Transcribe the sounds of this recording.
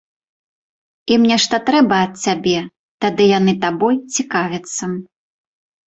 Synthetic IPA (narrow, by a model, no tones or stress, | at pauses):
imnʲɛʂt̪ɐt̪ɾɛbɐːt̪̚t͡sʲabʲɛ | t̪ad̪ɨjanɨt̪abɔjt͡sʲikavʲɐt̪sːɐ